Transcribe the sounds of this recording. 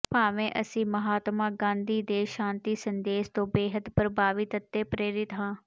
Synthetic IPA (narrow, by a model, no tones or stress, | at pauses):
paːʋẽːʔəsĩːməɦaːt̪mãːɡãːnd̪iːd̪eːʃãːnt̪iːsənd̪eːst̪õːbeːɦəd̪pɾəbaːʋɪt̪ət̪ːeːpɾeːɾɪt̪ɦãː